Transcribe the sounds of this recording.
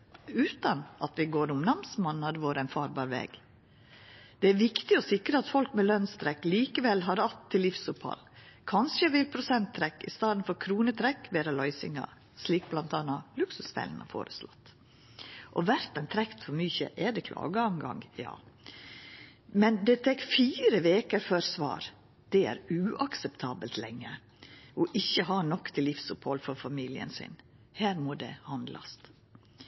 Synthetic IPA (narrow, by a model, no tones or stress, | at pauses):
ʉːt̪ɑnʔɑt̪ʋɪɡoːɾʊmnɑmsmɑnːɑd̪ʋoːɾæɪnfɑːɾbɑːɾʋɛ̰ːɡ | d̪̥ɛæɾʋɪkt̪ɪɔsɪkɾəɑt̪fɔlkmɛlœnst̪ʰɾɛkːliːkəʋɛlɦɑɾɑt̪ʰːɪlːɪfsʊphɑ̰lkʰɑnʂəʋɪlpʰɾʊsɛnt̪ʰːɾɛkːɪst̪ɑːd̪n̩fɔɾkʰɾuːnət̪ʰɾɛkːʋeːɾɑlœʏsɪ̰ŋɑ̰ | ʂliːk̚blɑnt̪ɑːnɑlʉksʉsfɛ̰lnɑ̰fo̰ːɾəslɔ̰t̪ː | ʔɔʋæɾt̪ɑnt̪ʰɾɛkt̪fɔɾmyːçə̰ʔɛɖ̪ɛkʰlʔɑ̰ːɡəɑŋɡɑ̰ŋjɑ̰ː | mɛnd̪ɛt̪ʰɛkfiːɾəʋeːkəɾføɾsʋɑ̰ːɾ | d̪̥ɛæ̰ɾʉːʔɑksɛpt̪ʰɑːbəlt̪lɛŋːə | ɔʔɪçːəɦɑɳɔkːt̪ʰɪlːɪfsʊphɔlfɔɾfɑmiːlɪə̰nsɪ̰n | hæːɾmɔd̪ɛ̰hɑnd̪lʔɑ̰st̪